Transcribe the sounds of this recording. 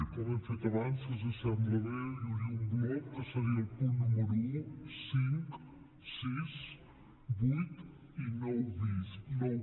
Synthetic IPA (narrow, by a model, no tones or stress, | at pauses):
kɔmənfet̪əβansəzəsand̪ɾəβejuɾiuŋɡlɔp̚kəsəɾiəlˠpunːuməɾuusiŋk | siz | bujt̪ | inɔwðisnɔw